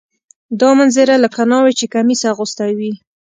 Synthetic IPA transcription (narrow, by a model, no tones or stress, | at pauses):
d̪ɑmanzeɾaləkkanɑwet͡ʃekamisaɣʊst̪awi